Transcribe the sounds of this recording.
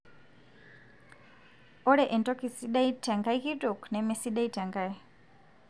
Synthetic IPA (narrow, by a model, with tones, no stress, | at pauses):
ɔ˦ɺɛ˨ʔɛ˨ntɔki˨si˦ɗa˦itʰʼa˨ŋɡa˦i˦ki˦tʼɔ˨knɛmɛ˨si˦ɗa˦ita˨ŋɡa˨i